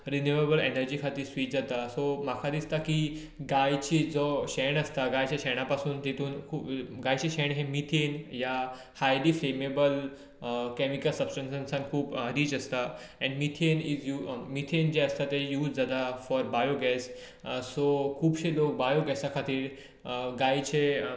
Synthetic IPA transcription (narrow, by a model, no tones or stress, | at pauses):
ɾinjuʋebəlenəɾd͡ʑikʰat̪iːɾsʋiːt͡ɕd͡zat̪asomakʰad̪ist̪aki | ɡajt͡ɕiːd͡zɔɕɛɳəst̪aɡajt͡ɕjaɕɛɳ̃apasuːnt̪et̪uːnkʰuːɡajt͡ɕiɕɛɳɦemit̪ʰenja | hajliːfɾemebəl | kɛmikəlsəbsʈə̃nsə̃nsãnkʰuːpɾiːd͡ʑəst̪a | ɛ̃ɳɖmit̪ʰenid͡zjuːmit̪ʰend͡ʑeəst̪at̪ejuːd͡zd͡zat̪afɔɾbajoɡɛs | sokʰuːbɕelok̚bajoɡɛsakʰat̪iːɾ | ɡajt͡ɕe